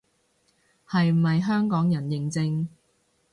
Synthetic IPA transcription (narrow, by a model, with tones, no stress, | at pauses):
hɐ˨jm̩˨˩hɐ˨jɦœː˥ŋkɔː˨˥ŋjɐ˨˩njɪ˨ŋt͡sɪ˧ŋ